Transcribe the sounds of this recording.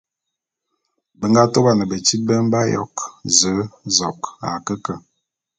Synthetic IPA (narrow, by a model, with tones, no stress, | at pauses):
bə˨ŋɡa˦to˦ɣa˨nə˨bə˨ti˦bə˦m˦ba˦jɔ̰˦kzə˨˦zɔ˨ka̰˨kə˦kə˨